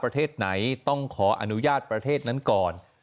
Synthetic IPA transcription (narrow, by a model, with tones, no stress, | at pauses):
pɾa˧t̪ʰeː˥˩t̪̚na˩˦jt̪ɔ˥˩ŋkʰɔː˩˦ʔa̰˧nu˦˥jaː˥˩t̪̚pɾa˧t̪ʰeː˥˩t̪̚na˦˥nkɔː˨˩n